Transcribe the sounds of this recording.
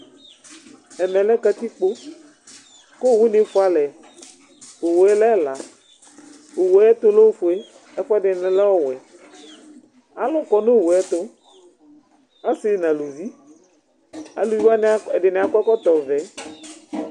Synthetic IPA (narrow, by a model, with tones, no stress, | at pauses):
ɛ˨mɛ̃˨lɛ˦ka˦t̪i˦k͡po˦ | ko˦˨wu˦ne˨˦fʊ˦a˨lɛ˨ | o˨wo˨ɛ˦lɛ˦˨la˨ | o˨wo˨ɛ˦t̪o˦lo˦fo˨e˦ | ɛ˦fa˦dɪ˨n˨lɛ˦wɔ˦wɛ˨ | a˨lʊ̃˦kɔ˨no˦˨wo˨ɛ˦t̪o˦ | a˦sɪ˦˨nã˨lu˨vi˦ | a̰˨lu˦vi˦wa˦nɛ˨dɪ˨nẽ˨a˨kɔ˦kɔ˦t̪ɔ˨vɛ˨˦